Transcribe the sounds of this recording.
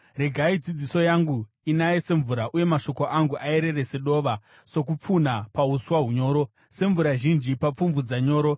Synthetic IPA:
re̞ɡʱaid͡zid͡ziso̞jaŋɡu | inajese̞ɱvuɾaʔuje̞maʃo̞ko̞ʔaŋɡuʔae̞ɾe̞rese̞ɗo̞ʋa | so̞k̬up͡funapauswaɦuɲo̞ːɾo̞ | se̞ɱvuɾaʒind͡ʒipap͡fumvud͡zaɲo̞ːɾo̞

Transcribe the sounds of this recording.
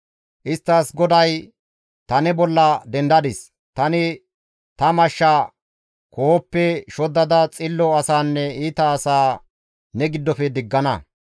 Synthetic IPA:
ʔɪst̪ːɐsɡɔd̪ɐj | t̪ɐnɛbɔlːɐd̪ɛnd̪ɐd̪ɪs | t̪ɐnɪ | t̪ɐmɐʃːa | koɔpːɛʃɔd̪ːɐd̪ɐt͡sʼɪlːɔɐsaːnːɛiːt̪ɐːsaː | nɛɡɪd̪ːɔfɛd̪ɪɡːɐnɐ

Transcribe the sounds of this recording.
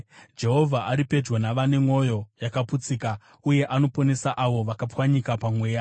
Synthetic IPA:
d͡ʒe̞ɦo̞vʱaʔaɾipe̞d͡ʒwonaʋane̞mo̞jo̞jakaput͡sika | uje̞ʔano̞po̞ne̞saʔaʋo̞ʋakapwaɲikapamweːja

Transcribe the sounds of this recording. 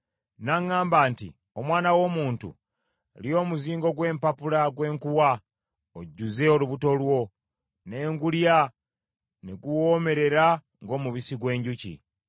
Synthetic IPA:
naŋːaːmbaːntḭ | o̞mwaːnawo̞ːmuːntṵ | lio̞ːmuziːŋɡo̞ɡwe̞ːmpapulaɡwe̞ːŋkuwa | oɟːuze̞o̞luβuto̞lwo̞ | ne̞ːŋɡulja | neɡuwoːme̞ɾe̞ɾa | ŋɡo̞ːmuβisiɡwe̞ːɲɟucḭ

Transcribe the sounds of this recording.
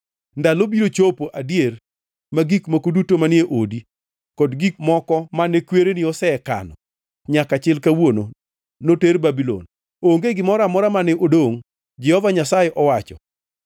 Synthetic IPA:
ndalobiɾot͡ʃopoʔadjer | maɡikmakodutomanɪeʔodi | kɔdɡik̚mɔkɔmanɛkweɾenɪɔsɛka̰nɔ | ɲakat͡ʃɪlkawono | noterbabilo̰n | oŋɡeɡɪmɔɾamɔɾamanɛʔodoŋ | d͡ʒɛhɔvaɲasajɛʔɔwat͡ʃɔ̰

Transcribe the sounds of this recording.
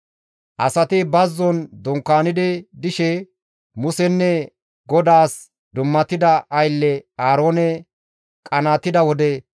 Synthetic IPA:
ʔɐsɐt̪ɪbɐzːɔnd̪ɔŋkːaːnɪd̪ɛd̪ɪʃɛ | mʊsɛnːɛ | ɡɔd̪aːs | d̪ʊmːɐt̪ɪd̪ɐʔɐjlːɛaːɾo̞ːnɛ | kʼɐnaːt̪ːɪd̪ɐwɔd̪ɛ

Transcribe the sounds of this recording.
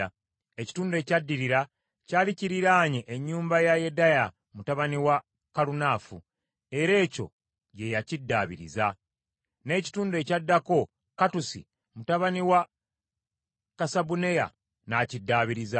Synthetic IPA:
e̞ci̥tuːnde̞ːcadːiɾiɾa | caːliciɾiɾaːɲeʔeɲːuːmbajajedaja | mutaβaniwa | kalunaːfu | e̞ɾe̞ːco̞̰ | ɟe̞jacidːaːβḭɾḭza | ne̞ːci̥tuːnde̞cadːako̞ | katusḭ | mutaβaniwa | kasabune̞ja̰ | nacidːaːβiɾiza

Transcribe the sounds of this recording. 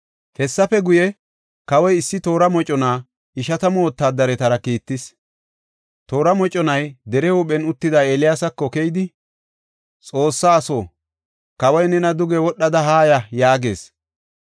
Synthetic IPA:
hɛsːɐfɛɡʊjɛ | kɐwɔjɪsːɪt̪o̞ːɾɐmɔt͡ʃʼːɔnaː | ɪʃɐt̪ɐmoːt̪ːaːd̪ɐɾɛt̪ɐɾɐkiːt̪ːɪs | t̪o̞ːɾɐmɔt͡ʃʼːɔnɐjd̪ɛɾɛhʊɓɛnʊt̪ːɪd̪aeːlɪjaːsɐkːɔkejd̪ɪ | t͡sʼo̞ːsːaːsoː | kɐwɐjnɛnɐd̪ʊɡɛwɔɗːɐd̪ɐɦaːjɐjaːɡe̞ːs

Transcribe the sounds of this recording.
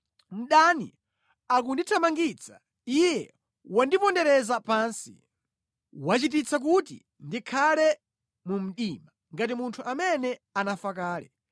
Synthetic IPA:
m̩ɗanḭ | ak̬unditʰamaŋɡit͡sʰḁ | ijɛ | wandipɔndɛɾɛzapaːnsḭ | wat͡ʃit̬it͡sʰak̬ut̬ḭ | ndikʰalɛ | mum̩ɗima | ŋɡat̬imuntʰuʔamɛnɛanafak̬aːlɛ̰

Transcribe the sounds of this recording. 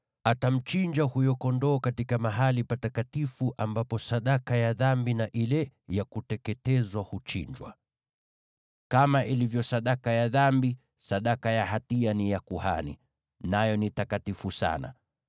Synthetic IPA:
atam̩t͡ʃiɲd͡ʒahujɔkɔndɔːkatikamaɦalipatakatifuʔambapɔsaɗakajaðambinaʔilɛjakutɛkɛtɛzwahut͡ʃḭɲd͡ʒwa̰ | kamaʔilivjɔsaɗakajaðambi | saɗakajaɦatianijakuha̰nḭ | najɔnitakatifusa̰na̰

